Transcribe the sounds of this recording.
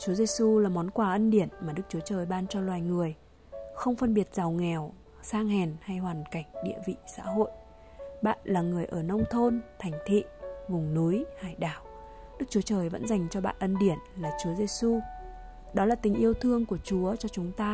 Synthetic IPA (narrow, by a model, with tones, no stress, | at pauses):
t͡ɕu˨˦ze˧su˧laː˨˩mɔ˨˦nkwaː˧˩ʔə˧nɗi˧˩ənmaː˨˩ɗɨ˦˥k̚t͡ɕu˨˦ət͡ɕəː˨˩jɓaː˧nt͡ɕɔ˧lwaː˨˩jŋɨ˨˩əj | xə˧wŋ͡mfə˧nɓi˨˩ət̚z̥a˨˩wŋɛ˨˩w | saː˧ŋhɛ˨˩nha˧jhwaː˨˩nka˧˩jŋ̟ɗḭ˧˨əvḭ˧˨sa̰ː˧˥ɦo̰˧˨j | ɓa̰ː˧˨nlaː˨˩ŋɨ˨˩əjʔəː˧˩nə˧wŋ͡mt̪ʰo˧nt̪ʰa˨˩ŋ̟t̪ʰḭ˧˨vʊ˨˩ŋ͡mnu˨˦jhaː˧˩jɗaː˧˩w | ɗɨ˦˥k̚t͡ɕu˨˦t͡ɕəː˨˩jvə̰˧˥nza˨˩jŋ̟t͡ɕɔ˧ɓa̰ː˧˨nʔə˧nɗi˧˩ənlaː˨˩t͡ɕu˨˦əze˧su˧ | ɗɔ˨˦laː˨˩t̪ï˨˩ŋ̟ʔi˧əwt̪ʰɨ˧əŋku˧˩ət͡ɕu˨˦ət͡ɕɔ˧t͡ɕʊ˨˦ŋ͡mt̪aː˧